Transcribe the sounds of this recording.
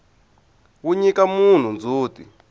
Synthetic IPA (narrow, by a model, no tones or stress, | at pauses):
wuɲikamun̤und͡zʱuːtḭ